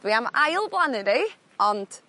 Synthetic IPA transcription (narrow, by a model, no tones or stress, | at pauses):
viamajlˠblˠanɨde | ɔnd̥